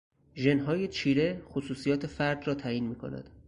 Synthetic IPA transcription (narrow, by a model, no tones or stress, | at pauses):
ʒe̞nɦɒːjet͡ʃʰiːɾe̞xosuːsijɒːt̪ʰefæɾd̪rɒːt̪ʰæːjiːnmiːkʰo̞̰næ̰d̪̥